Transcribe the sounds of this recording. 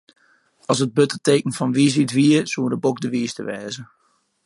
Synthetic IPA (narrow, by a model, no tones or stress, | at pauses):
ɔsət̚bøtəteːkn̩fɔnʋisitʋiəsuədəbokdəʋiːstəʋɛːzə